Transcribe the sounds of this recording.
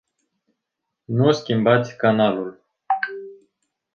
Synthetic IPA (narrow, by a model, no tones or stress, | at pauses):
nuskʲimbat̪sʲkanalul